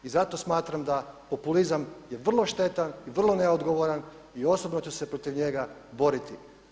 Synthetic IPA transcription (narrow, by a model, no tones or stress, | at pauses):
izat̪o̞smaːt̪ɾamd̪apo̞pulizamjeʋr̩lˠo̞ʃt̪e̞t̪aniʋr̩lˠo̞neod̪ɡo̞ʋoɾan | io̞sobnot͡ɕese̞pɾo̞t̪iʋɲe̞ɡa | bo̞ɾit̪i